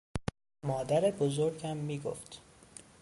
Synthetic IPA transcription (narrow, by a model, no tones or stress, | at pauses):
mɒːd̪æɾebozoɾɟæmːiːɡo̰ft̪